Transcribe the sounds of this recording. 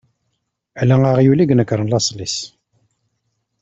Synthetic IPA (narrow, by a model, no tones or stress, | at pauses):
ælæaʁjuliɡnəkɾˤənlɑsˤlis